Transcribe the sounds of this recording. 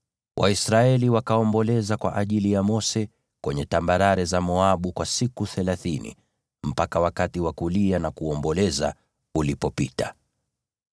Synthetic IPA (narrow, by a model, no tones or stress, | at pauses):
wʔa̰isɾaɛliwakaɔmbɔlɛzakwa̰ʔaʄilijamɔsɛ | kwɛɲɛtambaɾaɾɛzamɔaɓukwasikuθɛlaθinḭ | m̩pakawakatiwakulianakuɔmbɔlɛza | ulipɔpita